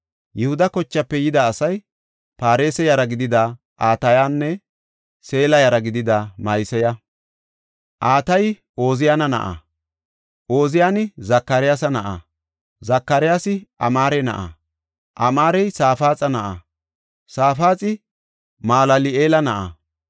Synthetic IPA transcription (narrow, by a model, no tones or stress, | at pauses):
jɛhʊd̪ɐkɔt͡ʃːɐpːɛjɪd̪ɐːsɐj | paːɾeːsɛjɐɾɐɡɪd̪ɪd̪a | ʔaːt̪ɐjaːnːɛ | se̞ːlɐjɐɾɐɡɪd̪ɪd̪ɐmɐjsɛjɐ | ʔaːt̪ɐj | ʔo̞ːzɪjanɐnɐ̰ʔa̰ | ʔo̞ːzɪjaːnɪzɐkːɐɾɪjaːsɐnɐʔa̰ | zɐkːɐɾɪjaːsɪʔɐ̰maːɾɛnɐ̰ʔa̰ | ʔɐmaːɾɛjsaːfaːt͡sʼɐnɐʔa | saːfaːt͡sʼɪ | maːlɐlɪeːlɐnɐʔa̰